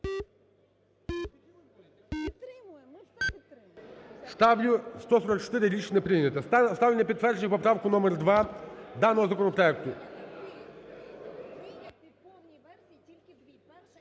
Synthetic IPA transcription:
st̪st̪ɔsɔɾɐk̚t͡ʃt̪ɪɾɪɾʲit͡ʃnɛpɾɪjnʲɐt̪ɐst̪ɑwlʲenʲːɐpʲid̪t̪ʋɛrd͡ʒenʲipɔpɾɑwkʊnɔmɛrd̪ʋɑd̪ɑnɔɦɔzɐkɔnɔpɾɔɛk̚t̪ʊ

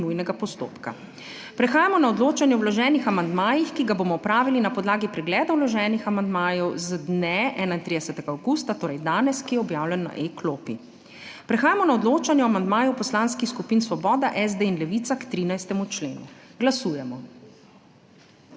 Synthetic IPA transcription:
nujnɛɡapɔst̪o̰ːpka̰ | pɾɛxaːjamɔnaɔd̪loːt͡ʃanjɛwlɔʒɛːnixamand̪maːjixkiɡaboːmɔɔpɾaːʋilinapɔd̪laːɡipɾɛɡlɛːd̪awlɔʒɛːnixamand̪maːjɔwzd̪nɛʔɛːnaint̪ɾid̪ɛsɛt̪ɛɡaːwɡust̪at̪oːɾɛjd̪aːnɛskijɛɔbjaːwlʲɛnːa̰ʔekloːpḭ | pɾɛxaːjamɔnaɔd̪loːt͡ʃanjɛɔamand̪maːjɔwpɔslanskixskupiːnsʋɔbɔːd̪aʔɛzd̪einlɛʋit̪sakt̪ɾinajst̪ɛmut͡ʃlḛːnuɡlasuːjɛmɔ

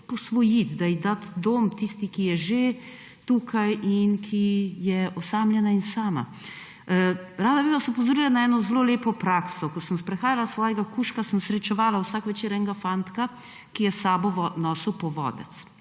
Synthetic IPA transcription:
pɔsʋɔjit̪d̪aid̪at̪d̪oːmt̪ist̪ikijɛʒe | t̪uːkʰajʔinkʰijɛʔɔsaːmljɛnainsaːma̰ | ɾaːd̪abiʋasɛupɔzoɾiːlanaɛːnɔzloːleːpɔpɾaːksɔkɔsəmspɾɛxaːjalasʋɔːjɛɡakuʃkasəmsɾɛt͡ʃɛʋaːlawsakʋɛt͡ʃeːɾɛŋɡafant̪ka | kijɛsaːbɔɔnɔːsuwpɔʋɔ̰d̪ɛ̰t̪s

